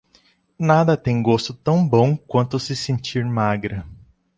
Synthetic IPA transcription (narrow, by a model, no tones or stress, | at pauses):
nad̪ɐt̪ẽj̃ɡost̪ʊt̪ɐ̃w̃bõw̃kwɐ̃nt̪ʊsɪsẽnt͡ʃiɾmaɡɾɐ